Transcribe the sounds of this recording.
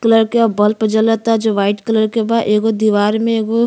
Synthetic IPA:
kələɾkeɔːɾbɐlpəd͡ʒələt̪ːad͡ʒoːʋaːɪʈkələɾkebaːʔeːɡod̪iːʋaːɾmẽeːɡo

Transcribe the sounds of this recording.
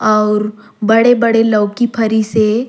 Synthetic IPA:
ɔːɾ | bɐɽebɐɽelɐːkipʰɐɾise

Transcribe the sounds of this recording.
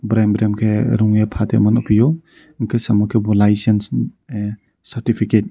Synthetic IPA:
bɾembɾemkʰeɾuŋjepʰatʰḛmɐnupʰijɔ | ŋkʰesɐmukʰebulajsens | sɐɾtipʰiket̚

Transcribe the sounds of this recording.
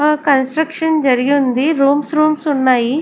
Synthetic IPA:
əkɐnsʈɾəkʃənd͡ʒɐɾioʊnd̪iɾuːmsɾuːmsʊnːaːi

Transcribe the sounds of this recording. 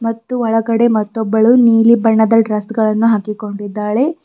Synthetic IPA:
mɐt̪ːuɔɭɐɡɐɽe̞mɐt̪ːɔbːɐɭuniːlibɐɳːɐd̪ɐɖɾaːst̪ɡɐɭɐnːuɦaːkiko̞ɳɖid̪ːaːɭe̞

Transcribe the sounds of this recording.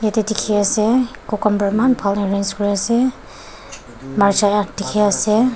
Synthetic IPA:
jatɛdikʰiasɛkɔkɔmbaɹimanbʱalnɛɹanzkɔɹiasɛ | maɹzajatdikʰiasɛ

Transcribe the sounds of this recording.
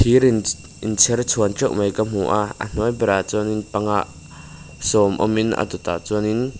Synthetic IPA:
t̪ʰiɾin | int͡sʰɛrt͡sʰunt͡ʃɔwʔmɐjkam̥uʔaə̰n̥ujbɛɾat͡sɔninpɐŋaʔ | sɔmʔɔ̰minʔa̰t̪ut̪a̰t͡sɔnin

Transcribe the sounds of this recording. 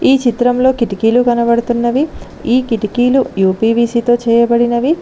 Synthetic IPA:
iːt͡ʃit̪ɾɐmlo̞ːkiʈikiːlukɐnɐbɐɽut̪unːɐʋi | iːkiʈikiːlujuːpiːbiːsiːt̪o̞ːt͡ʃɛːjɐbɐɽinɐʋi

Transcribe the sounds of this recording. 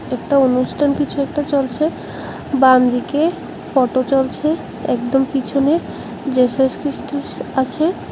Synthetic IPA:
ɛk̚ʈaonuʃʈʰankit͡ɕʰuɛk̚ʈat͡ɕolt͡ɕʰe | bamd̪ike | fɔʈot͡ɕolt͡ɕʰe | ɛkd̪ompit͡ɕʰone | d͡ʑeʃoʃkɾiʃʈiat͡ɕʰe

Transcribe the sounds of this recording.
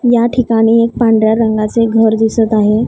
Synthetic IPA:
jaʈʰikaɽ̃iːek̚pãɳɖɾjaɾəŋɡat͡seɡʱəɾd̪isət̪aɦe

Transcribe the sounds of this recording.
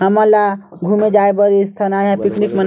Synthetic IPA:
ɦəməlaɡʱumed͡ʒaebəɾist̪ʰənaɦãpiknikmən

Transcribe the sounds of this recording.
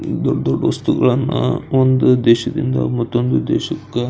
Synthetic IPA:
d̪oɖːd̪oɖːɐʋɐst̪uɡɐɭɐnːɐond̪ud̪ɛːʃɐd̪ind̪ɐ̰mɐt̪ːond̪ud̪ɛːʃɐkːe

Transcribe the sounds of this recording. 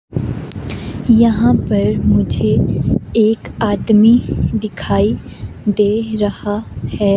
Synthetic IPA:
jɐɦãpɐɾmʊd͡ʒʱeeːkaːd̪mid̪ɪkʰaːi | d̪eːɾɐhahɛː

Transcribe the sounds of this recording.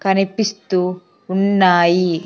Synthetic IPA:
kɐnipist̪u | unːaːji

